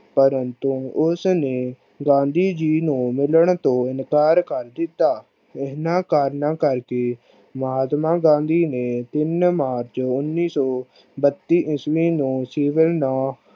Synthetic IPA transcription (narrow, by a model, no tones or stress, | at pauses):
pəɾənt̪uːʊsneː | ɡãːnd̪iːd͡ʒiːnũːmɪləɳt̪õːɪnkaːɾkəɾd̪ɪt̪ːaː | ɪɦnãːkaːɾnãːkəɾkeː | məɦaːt̪mãːɡãːnd̪iːneːt̪ɪnmaːɾt͡ʃʊnːiːsɔː | bət̪ːiːʔɪsʋĩːnũːsɪːʋəlnaː